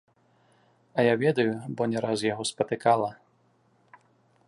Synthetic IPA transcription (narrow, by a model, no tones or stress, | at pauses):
ɐjavʲɛd̪ɐjubɔnʲɛɾasjaɣɔspɐt̪ɨkalˠɐ